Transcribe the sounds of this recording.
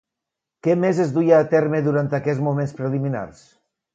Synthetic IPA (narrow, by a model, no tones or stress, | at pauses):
kɛmezezðujaːt̪ɛɾmeðuɾant̪akɛzmumenspɾelimina̰ɾs